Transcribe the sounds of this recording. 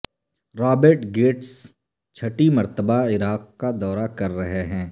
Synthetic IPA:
ɾaːbəɾʈɡeːʈs | t͡ʃʰɐʈimɐɾt̪əbaɪɾaːq̚kad̪ɔːɾakɐɾːɐɦeɦɛ̃ː

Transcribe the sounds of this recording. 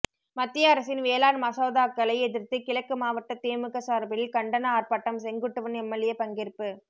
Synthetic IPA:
mɐt̪ːɪjɐːɾɐsɪnʋeːlaːnmɐsɐʊðaːkːɐlɐɪɛðɪɾt̪ɯkɪɭɐkːɯmaːʋɐʈːɐt̪eːmɯkːɐsaːɾbɪɪlkɐɳɖɐnɐaːrpaːʈːɐmsɛŋɡɯʈːɯʋɯnɛmːɐlɪjɐpɐŋɡɪrpːɯ

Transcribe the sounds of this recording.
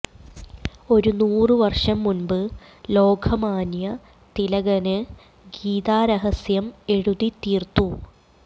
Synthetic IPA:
o̞ɾunuːrɨʋɐrʂɐmːunbɨ | lo̞ːɡʰɐmaːnjɐ | t̪ilɐɣɐnɨ | ɡiːt̪aːɾɐɦɐsjɐme̞ɻuðit̪iːrt̪u

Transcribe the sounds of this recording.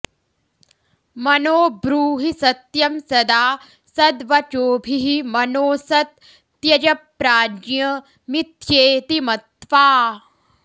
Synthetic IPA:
mɐnoːbɾuːɦisɐt̪jɐmsɐd̪aː | sɐd̪ʋɐt͡ʃoːbʱiɦimɐnoːsɐt̪̚ː | jɐd͡ʒɐpɾaːd͡ʒjɐ | mit̪jeːt̪imɐt̪ʋaː

